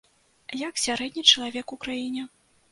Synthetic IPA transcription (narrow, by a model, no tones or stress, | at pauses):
jaksʲaɾɛd̪ʲnʲit͡ʂɐlˠavʲɛkukɾajinʲɛ